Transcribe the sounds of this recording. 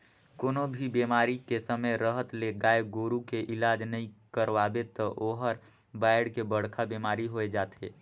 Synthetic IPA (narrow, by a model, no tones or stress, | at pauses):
koːnobʱibeːmaːɾikesəməjɾəɦət̪leɡaːeɡoːɾukeʔɪlaːd͡ʒnəɦĩkəɾʋaːbet̪əʔoːɦəɾ | baːɪɽkebəɽ̤kʰabeːmaːɾiɦoed͡ʒaːt̪ḛː